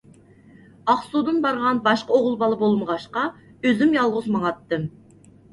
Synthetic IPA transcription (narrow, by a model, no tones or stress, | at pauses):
ɑχsud̪ɨnbɑɾʁɑnbɑʃqɑoʁʊlˠbɑlˠəbolˠməʁɑʃqɑ | øzymjɑlˠʁʊzmɑŋɑt̪ːɨm